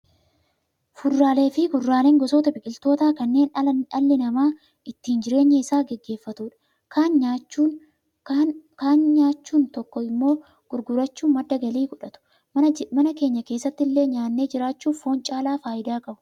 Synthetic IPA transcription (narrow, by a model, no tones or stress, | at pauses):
fʊrːaːle̞ːfɪɡʊrːaːle̞ːŋɡɔsoːt̪ɐbɪkʼɪlt̪o̞ːt̪aːkɐnːe̞ːnɐlːɪnɐmaː | ʔɪt̪ːiːnd͡ʒɪɾe̞ːɲːɛɪsaːɡɛɡːe̞ːfːɐt̪uːᶑɐ̥ | ka | kaːnɲaːt͡ʃːuːnt̪ɔkːɔɪmːo̞ː | ɡ̥ʊɾɡʊɾɐt͡ʃːuːmɐd̪ːɐɡɐliːɡɔᶑɐt̪ʊ̥ | mɐnɐke̞ːɲːɐke̞ːsːɐt̪ːɪlːe̞ːɲaːnːeːd͡ʒɪɾaːt͡ʃːuːfo̞ːnt͡ʃʼaːlaːfaːʔɪd̪aːkɐʔʊ̥